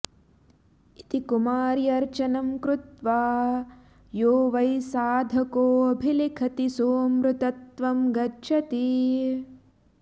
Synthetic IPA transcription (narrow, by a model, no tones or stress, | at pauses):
it̪ikumaːɾjɐɾt͡ʃɐnɐmkɾut̪ʋaː | joːʋɐjsaːd̪ʱɐkoːɐbʱilikʰɐt̪isoːmɾut̪ɐt̪ʋɐmɡɐʃʰɐt̪i